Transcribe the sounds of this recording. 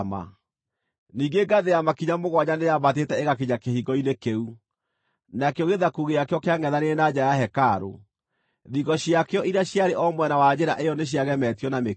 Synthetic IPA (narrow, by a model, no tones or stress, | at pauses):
ma̰ | niːŋɡeɡaðejamakiɲamoɣwaɲanejamatetɛeɣakiɲakehiɡɔinekeu | nakeoɣeðakuɣeakeɔkeaŋɛðaneenad͡ʑajaɦɛkaɾo̰ | ðiɣɔɕiakeɔʔiɾaɕjaɾeʔɔmwɛnawad͡ʑeɾaʔeɔneɕ̬jaɣɛmɛtiɔname